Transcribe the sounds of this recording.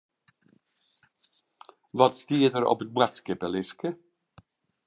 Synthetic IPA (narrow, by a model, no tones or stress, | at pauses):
ʋɑtstiːədəɾɔ̰pət̚bɛtskɪpəlɪskə